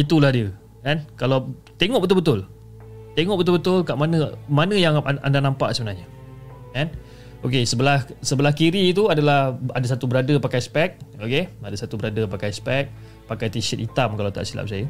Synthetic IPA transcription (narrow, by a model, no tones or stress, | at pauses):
it̪ulahdiə | kankalaw | t̪eŋɔʔbət̪ʊlbət̪ʊl | t̪eŋɔʔbət̪ʊlbət̪ʊlkaʔmanə̃manə̃jaŋa̰ndanampa̰ʔsəbənaɲa | kan | okesəbəlahsəbəlahkiɾiːt̪uadalahadas̬at̪ubəɾadəpakajspɛk̚okeadasat̪ubəɾadəpakajspɛk̚ | pakajt̪isət̪it̪amkalawt̪a̰ʔsila̰p̚sajə